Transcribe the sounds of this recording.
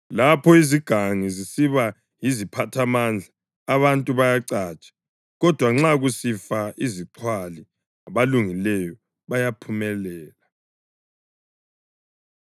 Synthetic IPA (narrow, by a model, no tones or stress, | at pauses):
lapʰɔiziɡ̥ʱaŋizisiβa | jizipʰatʰamand͡ɮʱaː | βantʼuβajaǀaːt͡ʃʼḁ | ɣɔd̥ʱwaŋ͡ǁaɣusifaiziǀʰwali | aβaluŋilɛjɔ | βajapʰumɛlɛːla